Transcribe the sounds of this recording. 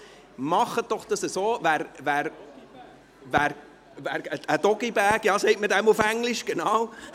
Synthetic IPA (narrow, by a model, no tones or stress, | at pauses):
mɑχət̚d̥ɔχd̥̪ɑsəsoːvæːɾvæːɾ | væːɾ | væːɾəəd̥̪ɔɡibæːkjɑːsɛɪtmədæmufæŋlɪʃɡ̥enɑw